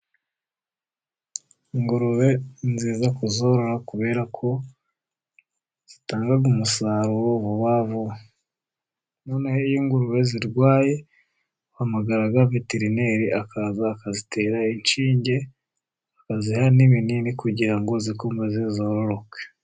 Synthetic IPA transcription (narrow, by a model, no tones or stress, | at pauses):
iŋɡuɾuβe̞nziːzakuzo̞ɾo̞ɾakuβe̞ːɾakʰo̞ | z̥itaːŋɡaɡumusaːɾuwoβuβavo | no̞ːneheijiːŋɡuɾuβe̞ziɾɡwaːje̞ | hamaɡaɾaɡaveteɾine̞ːɾiʔakazaːkazitʰe̞ːɾaint͡ʃiːɲɟe̞ | akazihaniβininikuɟiɾaŋɡo̞zikombezizoɾo̞ɾo̞ke̥